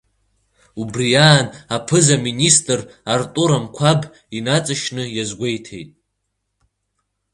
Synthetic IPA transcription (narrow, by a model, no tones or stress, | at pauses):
ubrijaːnapʰɨzaministʼɨrartʼuɾamkʷʰab | inat͡sʼɨʃnɨjazɡʷe̞jtʰe̞̰jtʼ